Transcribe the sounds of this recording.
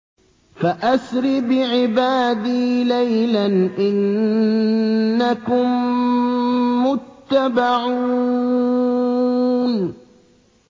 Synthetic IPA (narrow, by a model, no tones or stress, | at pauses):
faʔasɾɪbɪʕɪbaːd̪iːlajlanʔɪn | akʊm | ʊt̪ːabaʕu | n